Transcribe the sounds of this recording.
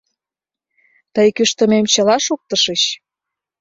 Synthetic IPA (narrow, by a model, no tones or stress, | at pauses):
t̪əjkyʃt̪ə̆memt͡ɕə̆lɑʃuk̚t̪ə̆ʃəɕ